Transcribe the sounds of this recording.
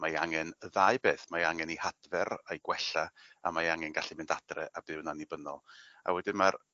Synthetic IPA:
majaŋɛnðaɨbeːθmajaŋɛnihad̥vɛrejɡ̥wɛɬaa̰majaŋɛnɡaɬimɪndad̥rɛ̰ʔabɨwnanibənɔ̰lˠa̰wɛdɪnmar

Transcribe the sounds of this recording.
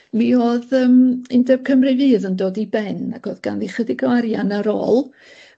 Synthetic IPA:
mioːðəːmɪndɛb̥kʰəmrɨvɨːðəndoːdibɛnaɡ̥oːðɡ̥a̰nðiχədɪɡwaɾjanaɾo̰ːlˠ

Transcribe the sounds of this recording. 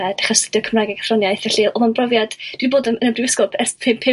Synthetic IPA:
ɛd̥aχɔsə̥d̥jɔkʰəmraːɡɛɡḁfrɔnjajθaɬiːlˠɔmanbrɔvjad̥d̥wiiboːdənənəbrɪvɪskɔpʰɛspʰɪmpʰɪ

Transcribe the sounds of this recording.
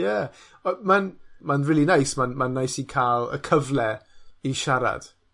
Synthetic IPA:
jɛ | ɔmanmanriːlˠinajsmanmanːajsikʰaːlˠə̰kʰəvlɛiʃaɾa̰d̥

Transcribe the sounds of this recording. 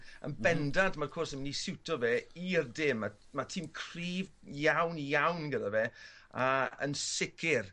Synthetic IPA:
ə̰nbɛndandmaɾkʰɔrsəmnisɪwtʰɔveiərdɪma | matʰimkʰr̥iːv | jawnjawnɡədavɛː | aə̰nsɪkʰɪr

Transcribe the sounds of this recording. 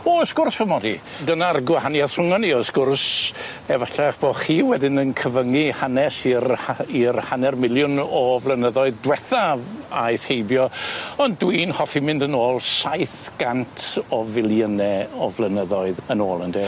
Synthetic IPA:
ɔsɡ̥ʊrsvəmɔdi | dənarɡwahanjaθr̥ʊŋɔniɔsɡ̥ʊrs | ɛvaɬaχb̥oχiːwɛdɪnənkʰəvəŋihanɛsirirhanɛrmɪlˠjʊnɔvlˠənəðɔɨðdwɛθaajθhejbjɔɔndwiːnhɔfimɪndənoːlˠsaɨθɡ̥antʰɔvɪlˠjənɛɔvlˠənəðɔɨðənoːlˠəndɛː

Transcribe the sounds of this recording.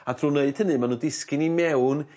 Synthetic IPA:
ad̥ruːneɨd̥̚ʰənɨmanuːdɪskɪnimɛwn

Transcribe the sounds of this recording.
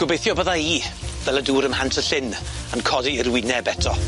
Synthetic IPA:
ɡ̥ʊbejθjɔbəðaiːvɛləduːɾəmhantʰəɬɪn | ənkʰɔdiərwɪnɛbɛtʰɔ

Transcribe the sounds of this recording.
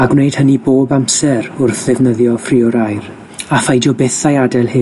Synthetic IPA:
aɡwnejd̥həniboːbamsɛɾʊrθðɪvnəðjɔfriɔɾajr | afajdjɔbɛθajadɛlˠhɨ

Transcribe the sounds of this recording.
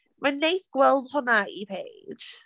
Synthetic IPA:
manejθɡ̥wɛlˠdhʊnaipʰe̥ːʒ̥

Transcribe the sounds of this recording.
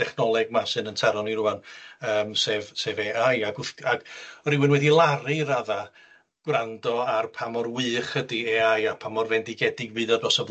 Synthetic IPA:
d̥ɛχnɔlˠɛɡ̚masɨnəntʰɛɾɔniɾuanəːmsevseːveajaɡʊθaɡ̥ɔɾɪwɨnwɛdilˠarɨɾaða | ɡ̥wrandɔarpʰamɔrwɨχədieajapʰamɔrvɛndiɡɛdɨɡbɨːðɔbrɔsɔv

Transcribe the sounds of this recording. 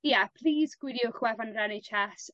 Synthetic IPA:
jɛpʰl̥ˠiːzɡ̥wɪɾjʊχwɛvanrɛnɪt͡ʃʰɛs

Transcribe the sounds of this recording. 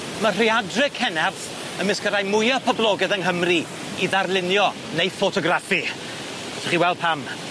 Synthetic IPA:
mər̥iadrɪkʰɛnɛθ | əmɪskəɾajmʊjɔpʰəblˠɔɡɛðənɦəmri | iðarlˠɪnjɔ | nejfɔtʰɔɡrafi̥ | ɛθəχiːwɛlˠd̚pʰam

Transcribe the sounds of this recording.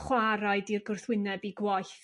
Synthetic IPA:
χwaɾaɨdirɡʊrθwɪnɛbiɡwaj

